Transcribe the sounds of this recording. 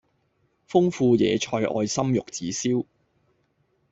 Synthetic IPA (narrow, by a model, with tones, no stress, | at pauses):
fʊ˥ŋfuː˧jɛ̰ː˨˧t͡ʃʰɔː˧jʔɔ̰ː˧jsɐ˥mjʊ˨k̚t͡siː˨˥siː˥w